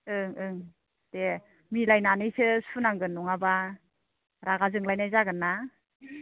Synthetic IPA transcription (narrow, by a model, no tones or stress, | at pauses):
ɯŋɯŋ | te | milajnanɯjsɯsʰunaŋɡɯnːuŋaba | ɾaɡazɯŋlajnajzaɡɯnːa